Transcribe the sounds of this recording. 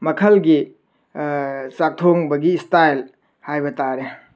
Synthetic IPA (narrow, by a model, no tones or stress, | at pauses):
mɐkʰɐlɡi | sak̚tʰoŋbɐɡistajl | hajbɐtaɾe